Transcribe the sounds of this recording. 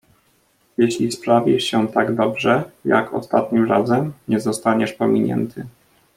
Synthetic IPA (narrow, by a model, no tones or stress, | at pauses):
jɛɕlʲispɾavʲiʂɕɛt̪aɡd̪ɔbʐɛja̰kʰɔ̰st̪at̪ɲimɾazɛmɲɛzɔst̪aɲɛʂpɔmʲiɲɛ̰nt̪ʰɘ